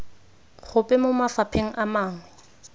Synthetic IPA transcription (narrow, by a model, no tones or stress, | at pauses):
χʊpʼɛmʊmafapʰeŋ̩ʔamaːŋwɛ